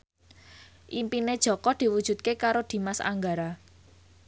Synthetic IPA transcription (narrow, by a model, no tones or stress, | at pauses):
ʔimpined̥ʒ̥ɔ̤kɔd̪̥i̤wud̥ʒ̥ṳt̪̚kekaɾod̪̥i̤masa̰ŋɡaɾa